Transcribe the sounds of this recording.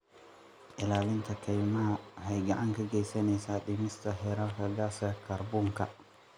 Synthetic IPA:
ʔɪlaːlɪnt̪ʰɐkʰɛjmɐɦɐhɛjɡɐʕaŋkʰɐɡɛjsɐnɛjsaːɗɪmɪst̪ʰɐhɛːɾaːlkʰɐɡaːsjɐkʰɐrbɔːŋkʰɐ̰

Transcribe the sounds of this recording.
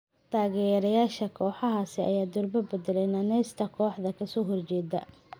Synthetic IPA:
t̪ʰaːɣɛɾɐjaːʃɐkʰɔːħɑɦaːsɪʔɐ̰jaːd̪ʊrbɐbɛd̪ɛlɛjnɐnɛst̪ʰɐkʰɔːħðɐkʰɐsɔːɦɔrt͡ʃɛːd̪ɐ̰

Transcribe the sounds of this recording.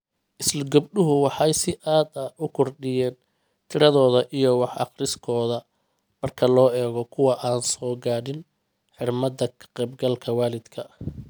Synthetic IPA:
ʔɪslɐɡʊbɖʊɦʊwɑħɑjsɪʔaːd̪ɐʊkʰʊrɖɪjɛːn | t̪ʰɪɾɐðɔːðɐʔijɔwɑħɑ̰qrɪskʰɔːðɐ | mɐrkʰɐlɔːɛːɣɔkʰʊwɑʔaːnsɔːɡaːɽɪn | ħɪrmɐd̪ɐkʰɐ̥qɛjbɡɐlkʰɐwaːlɪd̪kʰɐ

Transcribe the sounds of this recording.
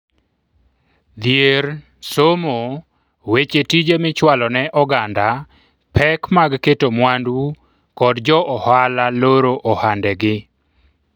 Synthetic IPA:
d̪jeɾ | somo | wet͡ʃetid͡ʒemɪt͡ʃwalɔnɛʔɔɡanda | pʰɛkmaɡketomwandwu | kɔdd͡ʒɔʔɔhalaloɾoʔɔhandɛɡɪ

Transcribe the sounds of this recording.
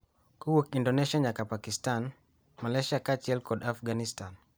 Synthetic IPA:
kuwokindoneʃiaɲakapakistan | malɛʃakat͡ʃiɛlkɔdafɡanistan

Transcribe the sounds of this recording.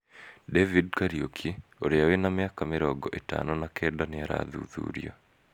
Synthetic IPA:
devid̚kaɾiokʰioɾeawenamɪakamɪɾɔɡɔʔeta̰nɔnakʰɛdanɪaɾa̰ðṵðṵːɾijo̰

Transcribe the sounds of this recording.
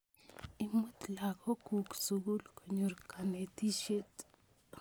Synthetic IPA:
imːut̪lakokuksuɡulkʰoɲuɾkʰanet̪iʃet̪ʼ

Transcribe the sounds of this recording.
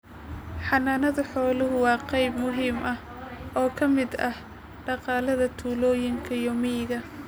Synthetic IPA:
ħɑnaːnɐðɐħɔːlʊɦʊwɑːqɛjbmʊɦiːmɐh | ʔɔːkʰɐmɪd̪ɐh | ɖɑqɑːlɐðɐt̪ʰuːlɔːjɪŋkʰɐijɔmiːɣɐ

